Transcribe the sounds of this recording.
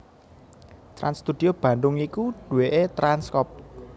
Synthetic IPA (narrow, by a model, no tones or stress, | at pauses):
t̪ɾa̰nst̪ud̪̥i̤ob̥ä̤nd̪ʊŋikuɖ̪̥ṳweʔet̪ɾanskɔp̚